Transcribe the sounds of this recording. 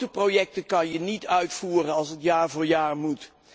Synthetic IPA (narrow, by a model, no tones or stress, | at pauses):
təprojɛk̚təkɑnjənitœɥtfuːrənɑlˠsɦətjaːɹvʊːɹjaːɹmut